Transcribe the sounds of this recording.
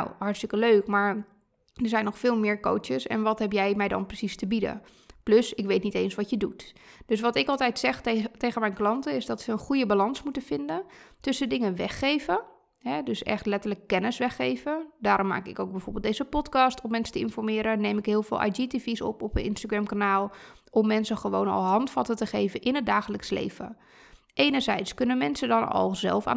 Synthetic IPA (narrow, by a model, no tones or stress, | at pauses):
na̰whɑɹtstɪkəløːkmaɹ | dəɹzɛjnɔxfɪːlˠmɪːɹko̰ːjəsɛ̰nʋɔtɦɛpjɛjmɛjdɔ̰nprəsistəbidə̰ | pløsɪkʋeːtniteːnsʋɔtjədutd̥øs̬ʋɔtɪkɑlˠtɛjtsɛxtejχənmɛjnklɑntəɪsdɔtʋəənχujəbalɑnsmutənfɪndətʏsədɪŋəʋɛxeːvə | ɦɛdøsɛ̰xtlɛtələkːɛnəsʋɛxeːvədaːɾɔmːa̰ːkɪ̰kowɡ̚bɛjfoːrbɪlˠdejzəpɔtkɑstʰɔmːɛnsə̥təɪnfɔrmɪːɾəneːmɪkɦɪːəlˠfɪ̰ːlʔa̰jd͡ʒitifisɔ̰pɔpənʔɪnstaɡɹɛmkanaːlˠ | ɔmːɛnsəxəʋoːnɔ̰lˠɦɑntfɑtətəxeːvəʔɪnət̚daːxələkslḛːvə̰ | ʔeːnərzɛjtskønənmɛnsədɔnɔ̰lˠzɛ̰lˠfa̰